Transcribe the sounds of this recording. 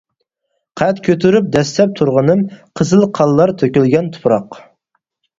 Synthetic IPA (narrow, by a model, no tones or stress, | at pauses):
qʰɛt̪kʲʰøt̪ʰyɾyp̚d̪ɛst̪ɛp̚t̪ʰuɾʁənɨmqʰəzɨlˠqʰɑlˠːɑɾt̪ʰøkʲylɡʲɛnt̪ʰu̥pʰɾɑq